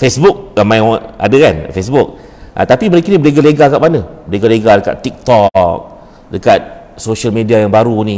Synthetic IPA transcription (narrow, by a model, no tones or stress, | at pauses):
fesbuk̚amaja̰dəkan̰fesbuk̚ | ʔa̰t̪apiməɾikinibəleɡaleɡakaʔmanəbəleɡaleɡadəka̰t̪̚ik̚t̪ɔk̚ | dəkat̪̚ | soʃəlmediajaŋbaɾuni